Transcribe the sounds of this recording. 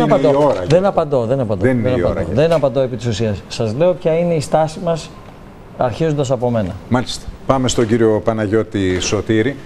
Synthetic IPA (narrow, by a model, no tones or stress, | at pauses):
nɐpɐnd̪ooɾɐðenɐpɐnd̪o̞ðe̞nɐpɐnd̪enineɐɐɾɐoðenɐpɐnd̪oe̞pit̪isusiɐsːɐzle̞o̞pçɐine̞ist̪ɐsimɐs | ɐɾçizund̪ɐsɐpo̞me̞nɐ̰mɐlist̪e̥pɐme̞st̪o̞ɟiɾio̞pɐnɐʝo̞t̪iso̞t̪iɾi